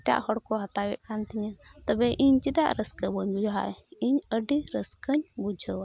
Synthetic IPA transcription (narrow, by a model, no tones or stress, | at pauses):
ʈa̰ʔhɔɽkɔɦɐt̪awɛʔkant̪ʰiɲat̪əbɛʔiɲd͡ʒid̪a̰ʔɾəskəbɔɲbud͡ʒɦa̰ʔiɲəɖiɾəskəɲbud͡ʒʱəwa